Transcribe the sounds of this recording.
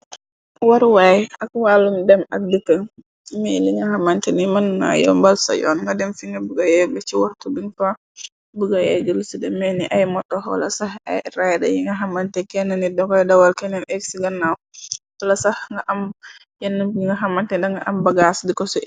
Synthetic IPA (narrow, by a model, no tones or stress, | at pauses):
waɾwajʔakwalumdɛma̰k̚dəkːə | miliŋɡahamantɛnimanna̰jɔ̰mbalsa̰jɔ̰nŋɡadɛmfiŋɡabuɡajɛɡɐt͡ʃiwahtubiŋfa | buɡajɛɡəlsidɛmɛniʔajmɔtːɔwa̰la̰saha̰jɾajda̰jiŋɡaɦamantɛkɛnːanidɔkɔjdawalkɛnɛnʔɛksiɡanːawwalasahŋɡaʔam | janːuiŋɡaɦamantɛdaŋɡaʔambaɡasdikɔsɔ